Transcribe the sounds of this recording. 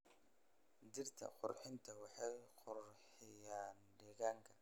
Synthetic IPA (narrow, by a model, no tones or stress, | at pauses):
d͡ʒɪrt̪ʰɐ̰qʊ̰rħɪnt̪ʰɐwɑħɑjqʊrħɪjaːnɖɛːɣaːŋkʰɐ